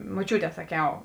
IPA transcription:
moːˈt͡ʃʲuːˌtʲɛː sɐˈkʲɛʊ

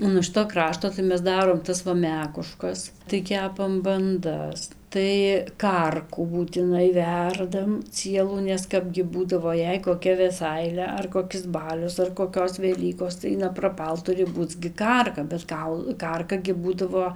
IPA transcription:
ˌoː nuɔ ˈʃʲɪtoː ˈkrɑːʃtoː tɐɪ ˈmʲɛs ˈdɑːroːm ˈtɐs ʋɐ ˈmʲæːkʊˈʃkɐs tɐɪ ˈkʲæːpɐm bɐnˈdɐs tɐɪ ˈkɐrkuː buːtʲɪˈnɐɪ ˈʋʲɛrdɐm ˈt͡sʲiɛlˠuː nʲɛs ˈkɑːbʲɡʲɪ ˈbuːdɐʋoː ˈjɛɪ koːˈkʲɛ ʋʲɛˈsɐɪlʲɛ ɐr koːˈkʲɪs ˈbɑːlʲʊs ɐr koːˈkʲoːs ʋʲɛˈlʲiːkoːs tɐɪ nɐprɐˈpɐlˠ ˈtʊrʲɪ ˈbuːt͡s ɡʲɪ ˈkɐrkɐ bʲɛt ˈkɐʊlˠ ˈkɐrkɐ ɡʲɪ ˈbuːdɐʋoː

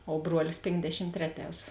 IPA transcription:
oː ˈbruɔlʲɪs ˈpʲeːŋɡdʲɛʃʲɪm ˈtʲrʲæːˌtʲɛːs

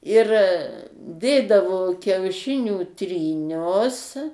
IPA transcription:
ɪr ˈdʲeːdɐʋoː kʲɛʊˈʃʲɪnʲuː tʲrʲiːˈnʲʊs

